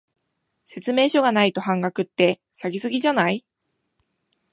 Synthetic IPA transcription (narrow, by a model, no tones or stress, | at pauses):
se̞t͡sɨme̞ːɕo̞ɡanait̪o̞ɦãŋɡakɯ̟t̪ːe̞ | saɡʲisɨɡʲiʑanai